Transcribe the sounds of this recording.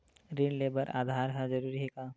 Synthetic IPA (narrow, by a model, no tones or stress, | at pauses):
ɾiɳleːbəɾʔa̰ːd̪ʱaːɾɦɛ̃d͡ʒɐɾuːɾiɦekaː